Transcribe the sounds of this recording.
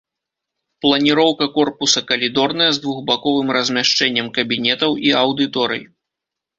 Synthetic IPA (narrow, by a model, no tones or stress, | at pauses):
plˠɐnʲiɾɔwkɐkɔrpusɐkɐlʲid̪ɔrnɐjɐzd̪vuɣbakɔvɨmrɐzʲmʲaʂt͡ʂɛnʲːɐmkɐbʲinʲɛt̪ɐwʔiɐwd̪ɨt̪ɔɾɨ̰j